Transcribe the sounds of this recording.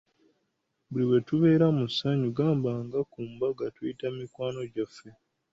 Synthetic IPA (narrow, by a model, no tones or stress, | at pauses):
buliwe̞tuβe̞ːɾamusaɲuɡaːmbaŋɡakumbaɡatujitamikwaːno̞ɟafːe̞